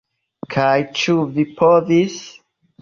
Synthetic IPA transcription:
kʰajt͡ʃuvipʰovis

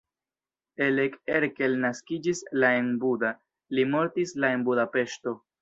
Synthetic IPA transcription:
e̞lekeɾke̞lnaskid͡ʒislae̞nbuda | limo̞ɾtislae̞nbudape̞ʃto̞

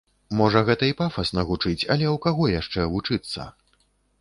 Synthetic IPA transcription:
mɔʐɐɣɛt̪ɐipafɐsnɐɣut͡ʂɨt͡sʲɐ̰lʲɛwkaɣɔjaʂt͡ʂɛvut͡ʂɨt̪sːɐ̰

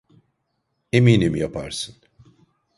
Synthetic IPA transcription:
emiːnimjapʰa̰ɾsɯn

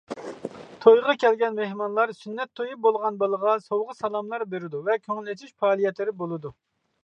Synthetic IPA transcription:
t̪ʰojʁɑkʲʰɛlɡʲɛnmehmɑnlˠɑɾsynːɛt̪ʰːojubolˠʁɑnbɨlˠəʁɑsowʁəsɑlˠɑmlˠɑɾbeɾɪd̪uvɛkʲʰøŋylet̪ʰiʃpɑːlˠijɛt̪lɪɾɪbolˠɨd̪u

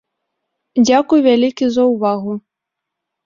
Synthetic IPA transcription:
d͡zʲakujvʲalʲikʲizɐwvaɣʊ

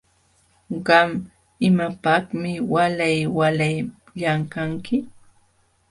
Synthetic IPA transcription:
ɢɑm | ɪmapɑhmɪwalajwalaj | ʎaŋkaŋkɪ

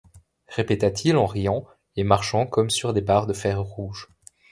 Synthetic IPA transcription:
ʁepet̪at̪ʰilɑ̃ʁijɑ̃ | emaʁʃɑ̃kɔmsyʁd̪ebaʁd̪əfɛʁʁuʒ

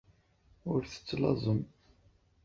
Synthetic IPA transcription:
ʊɾθə̥t͡sːlɑ̰zˤəm

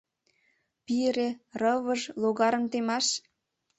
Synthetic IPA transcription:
piɾerɤβəʒloɣɑɾə̆nt̪emɑʃ

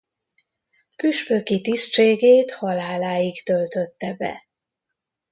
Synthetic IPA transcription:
pyʃpøkit̪ist͡ʃeːɡeːt̪hɒlaːlaːjiɡt̪ølt̪øt̪ːɛbɛ̰

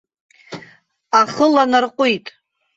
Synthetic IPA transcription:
aχəlanarqʷʼʊjtʼ

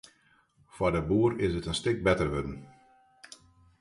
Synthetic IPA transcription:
fwɔdəbuːɾɪsətənstɪk̚bɛtərʋødən̩

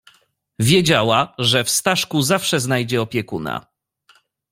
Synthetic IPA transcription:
vʲjɛd͡ʑawaʐɛfst̪aʂkuzafʂɛznajd͡ʑɛɔpʲjɛkuna̰

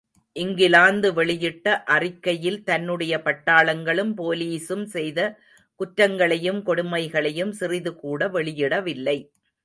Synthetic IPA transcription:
ʔɪŋɡɪlaːnd̪ɯʋɛɭɪjɪʈːɐʔɐrɪkːɐjɪlt̪ɐnːɯɽɐjɐpɐʈːaːɭɐŋɡɐɭɯmpoːliːsɯmsɛjðɐ | kʊʈɾɐŋɡɐɭɐjɯmkɔɽʊmɐɪɣɐɭɐjɯmsɪrɪðɯkuːɽɐʋɛɭɪjɪɽɐʋɪlːɐɪ

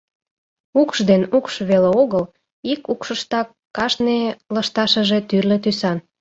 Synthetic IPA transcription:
ukʃd̪enukʃβeleoɣəl | ikukʃəʃt̪ɑkːɑʃneləʃt̪ɑʃəʒe̽t̪yrlĕt̪ysɑn

